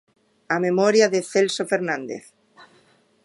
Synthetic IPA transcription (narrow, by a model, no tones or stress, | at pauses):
amemɔɾjaðeθelsofeɾnãnd̪ḛθ